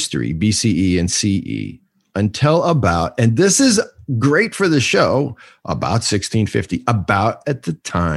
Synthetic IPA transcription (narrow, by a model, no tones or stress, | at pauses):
stɹḭbisiʔiɨ̃nsiʔḭ | ɨ̃ntʰɪlˠəbaʊɾɨ̃nðɪsɨzɡɹeɪtfə˞ðɨʃoʊ | ʔə̰ba̰ʊtsɪkstʰĩnfɪ̰ftiʔəbaʊɾɨt̪̚ðɨtʰãɪ̃